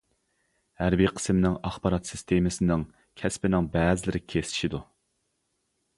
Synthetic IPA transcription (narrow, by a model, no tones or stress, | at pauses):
hæɾbiqʰə̥smnɪŋɑχbɑɾɑt̪sɪst̪ʰemɪsɪnɪŋ | kʲʰɛspɪnɪŋbɛːzɪlɪɾɪkʲʰesɪ̥ʃid̪u